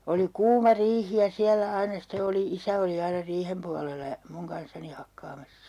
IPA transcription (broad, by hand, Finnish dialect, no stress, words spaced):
oli kuːmɑ riːhi jɑ siælːæ ɑinɑ ste oli isæ oli ɑinɑ riːhem puɑlelɑ jɑ muŋ kɑnsːɑni hɑkːɑːmɑsːɑ̥